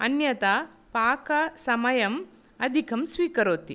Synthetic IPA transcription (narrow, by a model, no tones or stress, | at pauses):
ɐnjɐt̪a | paːkɐsɐmɐjɐm | ɐd̪ʱikʰɐmsʋiːkɐɾoːt̪i